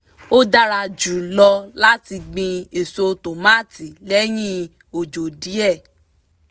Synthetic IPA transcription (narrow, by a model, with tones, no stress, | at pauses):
o˦da˦˧ɾa˧d͡ʒu˨lɔ˧la˦ti˧ɡ͡bĩ˧e˨so˧to˨ma˦˨ti˨lɛ˦j̃ĩ˦ | o˨d͡ʒo˨di˨˦ɛ˦˨